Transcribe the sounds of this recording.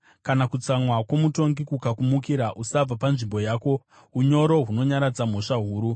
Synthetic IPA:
kanakut͡samwakwomuto̞ŋɡikukakumukiɾaʔusab͡vapanʐimbo̞jaːko̞ | uɲo̞ɾo̞ɦuno̞ɲaɾad͡zam̤o̞ʂaɦuːɾu

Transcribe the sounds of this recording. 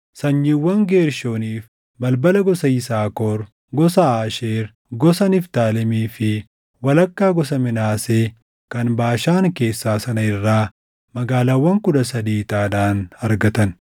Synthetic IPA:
sɐɲːɪwːɐŋɡeːɾʃoːniːf | bɐlbɐlɐɡɔsɐɪsaːkoːɾ | ɡɔsɐaːʃeːɾ | ɡɔsɐnɪft̪aːlɛmiːfɪ | wɐlɐkːaːɡɔs̬ɐmɪnaːseː | kɐnbaːʃaːŋke̞ːsːaːsɐnɐɪrːaː | mɐɡaːlaːwːɐŋkʊᶑɐsɐd̪iːt̪aːᶑaːnɐɾɡɐt̪ɐn

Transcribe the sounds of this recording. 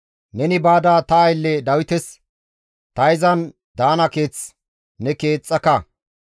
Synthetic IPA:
nɛnɪbaːd̪aːt̪ɐːjlːɛd̪ɐwɪt̪ɛs | t̪ɐɪzɐn | d̪aːnɐke̞ːt͡s | nɛke̞ːt͡sʼːɐkɐ

